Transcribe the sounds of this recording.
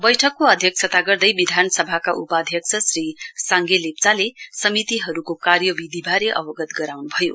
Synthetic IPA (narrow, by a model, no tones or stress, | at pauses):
bʌjʈʰʌkːoʌd̪ʱjʌk̚sʰʌt̪aɡʌrd̪ʌjbid̪ʱanʌsʌbʱakaʔupad̪ʱjʌk̚sʰʌsrisaŋɡelep̚t͡salesʌmit̪iɦʌɾukokarjʌbid̪ʱibʱaɾeʔʌ̰bʌɡʌt̪ɡʌɾawnubʱʌjo̰